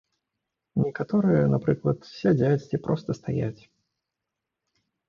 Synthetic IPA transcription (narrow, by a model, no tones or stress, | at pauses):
nʲɪkɐt̪oɾɨjənɐpɾɨklˠət̪fsʲɪdʲatʲtʲɪpɾʔost̪əst̪ɐjaæ̰tʲ